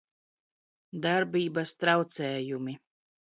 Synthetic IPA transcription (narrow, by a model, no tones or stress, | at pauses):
d̪aɾbʲiːbast̪ɾawt̪sɛːjumi